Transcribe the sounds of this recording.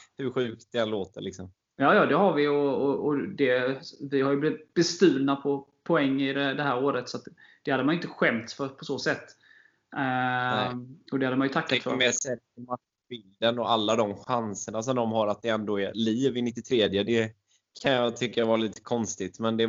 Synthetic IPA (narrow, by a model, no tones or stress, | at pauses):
hɵɾɧʉ̟ːkt̪̚d̪ɛɛnloːt̪əlɪksɔm | jɑːjɑːd̪ɛɦaɾvɪjɔɔɔd̪ɛvɪhaɾjɵblɪvt̪bɛst̪ʉ̟ːlnapʰɔpʰɔɛŋːɪd̪ɛd̪ɛɦæːɾoːɾət̪sɔat̪d̪̥ɛhad̪əmanɪnt̪əɧɛmt̪sfœɾpʰɔsoːsɛt̪ː | ɔd̪ɛhad̪əmanjɵt̪ʰakːafœ̰ɾmeːsɛɾkma | bɪld̪ənɔalːad̪ɔmɧansəɳas̬ɔmd̪ɔmɦaɾat̪̚d̪ɛɛnd̪oːɛɾliːvɪnɪt̪ːɪt̪ʰɾeːd̪jəd̪ɛ | kʰanjɑt̪ʰʏkːavɑːɾaliːt̪ə̥kʰɔnst̪ɪt̪mɛnd̪ɛ